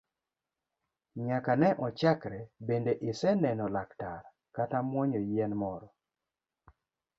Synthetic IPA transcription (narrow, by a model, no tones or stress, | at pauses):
ɲakanɛʔɔt͡ʃakɾɛbendeʔɪsɛnɛnɔlaktaɾ | katamwɔɲɔjɛnmɔɾɔ